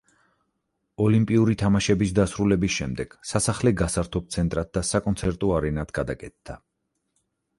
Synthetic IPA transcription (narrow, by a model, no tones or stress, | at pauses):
ɔlimpʼiuɾit̪ʰamaʃɛbisd̪asɾulɛbisʃɛmd̪ɛɡ̥sasaχlɛɡasaɾt̪ʰɔp̚t̪sʰɛnt̪ʼɾat̪̚d̪asakʼɔnt̪sʰɛɾt̪ʼɔaɾɛnat̪ʰɡ̥ad̪akʼɛt̪̚d̪a